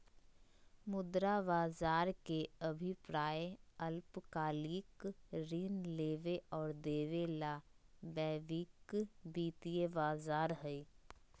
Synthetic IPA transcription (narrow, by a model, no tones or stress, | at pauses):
mʊd̪ɾabaːzaːɾkeəbʱɪipɾaːeəlpkaːliːkɾiːnleːʋeɔːɾd̪eːʋelabɛːʋikbiːt̪iebaːzaːɾɦɛi